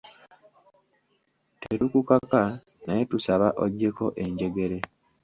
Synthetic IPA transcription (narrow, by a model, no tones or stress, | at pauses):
teɾukukaka | naje̞tusaβaʔoɟːe̞ko̞ʔe̞ɲɟe̞ɡe̞ɾe̞